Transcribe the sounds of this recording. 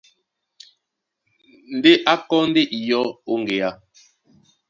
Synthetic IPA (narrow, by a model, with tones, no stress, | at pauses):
n̩˨˦de˦ʔa˦kɔ˦n̩˦de˦ʔi˨jɔ˦o˦ŋ˨ɡe˨a˦